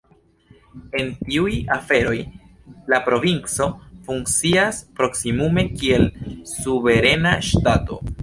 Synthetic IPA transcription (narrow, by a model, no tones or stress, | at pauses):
e̞ntiujafe̞ɾo̞j | lapɾo̞vint͡so̞fuŋk̚t͡siaspɾo̞ksimume̞kie̞lsuve̞ɾe̞naʃtato̞̰